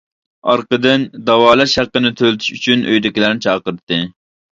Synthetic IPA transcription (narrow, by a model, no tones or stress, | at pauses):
ɑɾqəd̪ɨnd̪ɑwɑːlˠɛʃhæqːənɪt̪ʰølɪt̪ʰy̥ʃyt͡ʃʰynʔøjd̪ɪkʲilæɾnɪt͡ʃʰɑːqəɾɨt̪ʰːɨ